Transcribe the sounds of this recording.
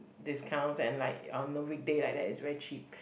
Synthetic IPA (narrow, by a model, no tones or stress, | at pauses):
dɪskʰãʊ̃nsɛ̃nlaɪkɔ̃nəwik̚delajk̚dɛtɪsvɛɹit͡ʃʰip̚